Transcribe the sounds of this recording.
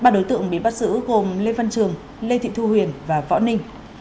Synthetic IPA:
ɓaː˧˩ɗo˨˦jt̪ɨ̰˧˨əŋɓḭ˧˩ɓa˦˥t̚sɨ̰˧˥ɣo˨˩mle˧və˧nt͡ɕɨ˨˩əŋ | le˧t̪ʰḭ˧˨t̪ʰu˧hwi˨˩ənvaː˨˩vɔ̰˧˥nï˧ŋ̟

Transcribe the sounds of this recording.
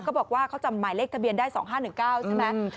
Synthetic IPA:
kɔː˥˩bɔː˨˩k̚waː˥˩kʰa˦˥wt͡ɕa˧maː˨˩˦jleː˦˥˩t̪ʰa˧bi˧əndaː˥˩jsɔː˩˦ŋɦaː˥˩nɯ˨˩ŋkaː˥˩wt͡ɕʰe˥˧˩mɛ˦ʔʰ

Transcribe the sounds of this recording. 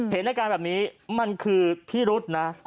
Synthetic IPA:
he˩˦nːa˧˩kaː˧nbɛː˨˩niː˦˥ma˧nkʰɯː˧pʰiː˥˩ɾu˦˥t̪̚na˦˥

